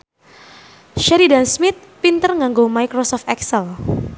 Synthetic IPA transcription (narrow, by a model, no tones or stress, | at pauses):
ʃɛɾidansmɪt̪̚pint̪ərŋaŋɡomajkɾɔsɔft̪ɛksəl